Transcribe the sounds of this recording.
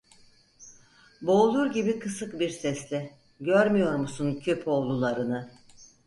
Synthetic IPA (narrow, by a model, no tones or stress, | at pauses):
bo̞ːlˠuɾɟibikʰɯsɯkbiɾsɛslʲɪ | ɟøɾmyjo̞ɾmusuncʰø̞pʰo̞lˠulˠaɾɯnɯ